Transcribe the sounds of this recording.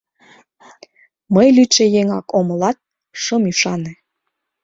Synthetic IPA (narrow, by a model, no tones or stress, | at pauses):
məjlyt͡ʃejeŋɑkoməlɑt̪̚ | ʃɤmyʃɑne